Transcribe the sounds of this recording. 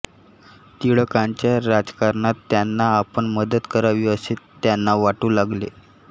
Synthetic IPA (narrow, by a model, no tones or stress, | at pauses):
t̪iɭəkãɲt͡ɕjaɾad͡zkaɾɳat̪ːjanːaːpəɳməd̪ət̪kəɾaʋiəsett̪ːjanːaʋaʈuːlaɡlḛ